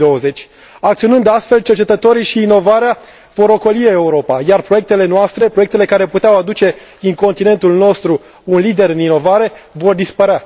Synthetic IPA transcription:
oəze̞t͡ʃʲ | ak̚t̪sio̞nɨnd̪ast̪fe̞lt͡ʃe̞rt͡ʃe̞t̪ət̪o̞ɾiʃiːno̞vaɾea | vo̞ɾo̞kolieuɾo̞pajarpɾo̞je̞k̚t̪e̞le̞noast̪ɾe̞pɾo̞e̞k̚t̪ele̞kaɾe̞put̪eawad̪ut͡ʃe̞ | iŋko̞nt̪ine̞nt̪ulno̞st̪ɾu | unlid̪e̞ɾɨnino̞vaɾe̞vo̞rd̪ispəɾea

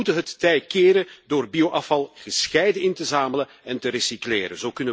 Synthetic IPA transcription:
utəɦətːɛjtkɪːɾədoːrbiowʔɑfɑlˠɣəsxɛjdəɪntəzaːmələ | ɛntəɾesiklɪːɾə̰nzowkɵnə

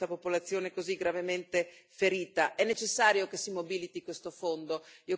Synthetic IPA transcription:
apopolat̪sːjoːnekoziɡɾavement̪efeɾiːt̪aʔɛnːet͡ʃesːaːɾjokesːimobilit̪ikwest̪ofond̪oio

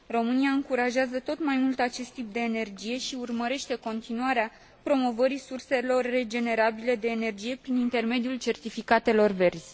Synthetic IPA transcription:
ro̞mɨniaɨŋkuɾaʒeazət̪o̞t̪majmult̪at͡ʃe̞st̪ːip̚d̪e̞ːne̞rd͡ʒije̞ʃiurməɾe̞ʃt̪e̞ko̞nt̪inuaɾea | pɾo̞mo̞vəɾisurse̞lo̞rːe̞d͡ʒe̞ne̞ɾabile̞d̪e̞ːne̞rd͡ʒije̞pɾinint̪e̞rme̞d̪ijult͡ʃe̞rt̪ifikat̪e̞lo̞rve̞rzʲ

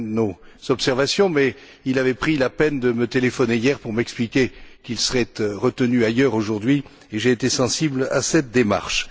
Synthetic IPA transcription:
noz̥ɔpsɛʁvasjɔ̃mɛ | ilavɛpχilapɛnd̪əmət̪elefɔnejɛʁpuʁmɛksplikʲekilsəʁɛt̪ʁət̪ənyajœʁoʒuʁd̪ɥi | eʒeːt̪esɑ̃siblasɛt̪̚d̪ema̰ʁʃ

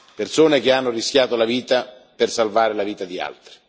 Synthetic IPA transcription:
persoːnek̟eanːoriskʲjaːt̪olaviːt̪a | persalvaːɾelaviːt̪ad̪ia̰lt̪ɾi̥

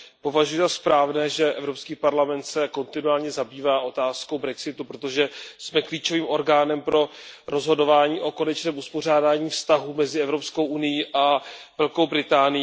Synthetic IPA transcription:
po̞vaʒujɛzaspɾaːvnɛːʒɛʔɛvɾo̞pskiːpaɾlamɛnt̪sɛko̞nt̪ɪnuaːlɲɛzabiːvaːʔo̞t̪aːsko̞wbɾɛksɪt̪upɾo̞t̪o̞ʒɛsmɛkliːt͡ʃo̞viːmʔo̞ɾɡaːnɛmpɾo̞ɾʔo̞zɦo̞do̞vaːɲiːʔo̞ko̞nɛt͡ʃnɛːmuspo̞r̝aːdaːɲiːfst̪aɦumɛzɪɛvɾopsko̞wʔunɪjiʔavɛlko̞wbɾɪt̪aːnɪjiː

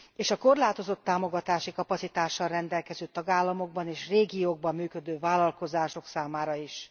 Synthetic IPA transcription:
eːʃɒko̞rlaːt̪o̞zo̞t̪ːaːmo̞ɡɒt̪aːʃikɒpɒtsit̪aːʃːɒlrɛnd̪ɛlkɛzøːt̪ɒɡaːlːɒmo̞ɡ̚bɒneːʃreːɡijoːɡ̚bɒmːyːkø̞d̪øːvaːlɒlko̞zaːʃo̞ksaːmaːɾɒiʃ

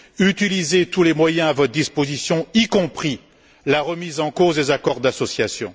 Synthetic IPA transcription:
yt̪ilizet̪ulemwajɛ̃avɔt̪χd̪ispozisjɔ̃ikɔ̃pχi | laʁəmizɑ̃kozd̪ezakɔʁd̪asɔsjasjɔ̃

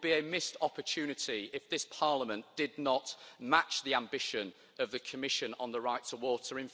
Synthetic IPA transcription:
biəmɪstɒpətʰʉːnɪtiɪfðɪspʰɑɹləmə̃nd̥ɪdⁿnəʔmat͡ʃðiãmbɪʃə̃n | əvðəkʰəmɪʃə̃nə̰̃nðəɹaɪtʰəwɔˑtəɹɪ̃ɱ

